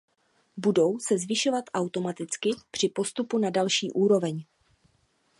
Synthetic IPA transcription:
budo̞wsɛzvɪʃo̞vat̪ʔawt̪o̞mat̪ɪt͡skɪpr̝̥ɪpo̞st̪upunadalʃiːʔuːɾo̞vɛɲ

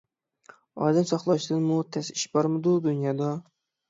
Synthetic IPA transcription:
ɑ̰d̪ɛnsɑχlˠɑʃd̪ɨnmut̪ʰɛsi̥ʃbɑɾmɨd̪ud̪unjɑd̪ɑ

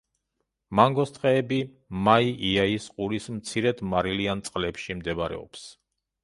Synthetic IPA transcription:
maŋɡɔst̪ʼqʼɛːbi | maiʔiaisqʼuɾismt̪sʰiɾɛd̪maɾiliant̪sʼqʼlɛpʃimd̪ɛbaɾɛ̰ɔ̰ps

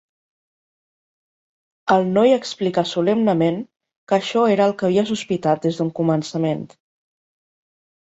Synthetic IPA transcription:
əlˠnɔjəksplikasulɛmnəmeŋ | kəʃɔeɾəːlˠkəβiəsuspit̪at̪̚d̪ezd̪uŋkumənsəment̪

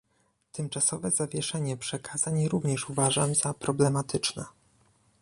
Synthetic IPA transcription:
t̪ɘmt͡ʂasɔvɛzavʲjɛʂɛɲɛpʂɛkʰaz̥aɲɾuvɲɛʂuvaʐamzapɾɔblɛmat̪ʰɘt͡ʂnɛ̰

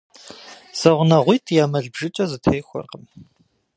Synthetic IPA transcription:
z̥ɐʁʷnɐʁʷiːtʰjaːmɐɮbʒɪt͡ʃʼɐzɨtʰejxʷʊ̰rqəm

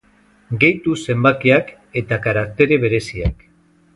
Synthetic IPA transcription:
ɡe̞jt̪use̞mbakiak | e̞t̪akaɾak̚t̪e̞ɾe̞β̞e̞ɾe̞sia̰k

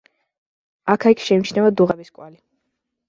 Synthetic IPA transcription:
akʰaikʰʃɛimit͡ʃʰnɛvad̪uʁɛbiskʼwali

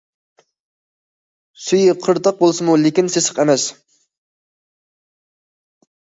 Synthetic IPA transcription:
syjiqʰəɾt̪ɑq̚bolˠsɨmulɪkʲinsesə̥qɛmɛs

